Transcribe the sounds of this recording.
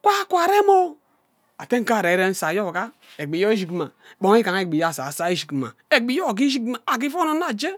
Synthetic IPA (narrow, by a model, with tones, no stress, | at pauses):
kʷa˦kʷa˨ɾe˦mo˦ | a˨te˦ŋ̩˦ka˦˨ɾe˨˦ɾe˦n̩˦sa˨jo˦˨ɡa˦ | e˨ɡ͡bi˨jo˦i˦ʃi˨kma˨bo˨ŋ˦i˦ka˨ŋ˦e˦ɡ͡bi˨ja˦˨sa˨sa˦i˦ʃi˨ki˨ma̰˨e˨ɡ͡bi˨jo˦˨ɡi˦ʃi˦kma˨a˨ɡi˦fo˦no˦na˨d͡ʒe˦